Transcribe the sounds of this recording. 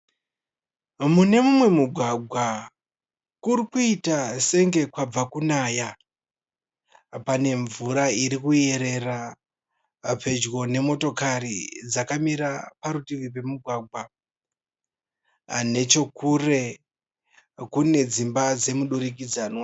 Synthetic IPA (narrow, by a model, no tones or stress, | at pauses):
mune̞mumwe̞muɡʱwaɡʱwa | kurikuitase̞ŋɡe̞kwab͡vakunaːja | pane̞ɱvuɾaiɾikue̞ɾe̞ra | pe̞d͡ʒɣo̞ne̞mo̞to̞kaɾid͡zakamiɾapaɾutiʋipe̞muɡʱwaɡʱwa | ne̞t͡ʃo̞kure̞ | kune̞d͡zimbad͡ze̞muɗuɾik̬id͡zaːnwa